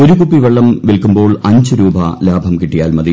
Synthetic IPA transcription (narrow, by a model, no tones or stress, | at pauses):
oɾukupːiʋeɭːɐmʋilkumbo̞ːɭɐɲd͡ʑɨɾuːbɐ̰laːbʱɐmkiʈːijaːlmɐði